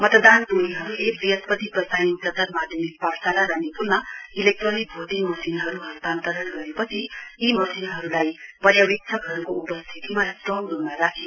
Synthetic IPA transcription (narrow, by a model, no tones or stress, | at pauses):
mʌt̪ʌd̪andoniɦʌɾulebɾijʌspʌt̪ipʌsajniŋsʌtaɾmad̪ʱjʌmikpaksalaɾanepulnʌilek̚ʈronik̚bʱod̪imʌsinɦʌɾuɦʌst̪ant̪ʌɾʌnɡʌɾepʌt͡sʰiːmʌsinɦʌɾulajpʌɾjawik̚t͡sʰʌɡʱʌɾukoupʌst̪ʰit̪imadrʌŋɾummaɾakʰe